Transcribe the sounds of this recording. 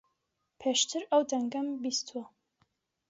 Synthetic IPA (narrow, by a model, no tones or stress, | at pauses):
pʰeːʃt̪ʰɨɾɐwd̪ɐŋɡɐmbist̪ʰwɐ